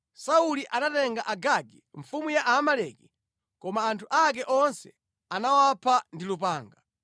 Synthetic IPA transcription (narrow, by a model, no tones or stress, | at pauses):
sauliʔanatɛŋɡaʔaɡaɡiɱfumujaʔaːmalɛki | kɔmaːntʰuʔak̬ɛʔɔnsɛ | anawapʰandilupaːŋɡa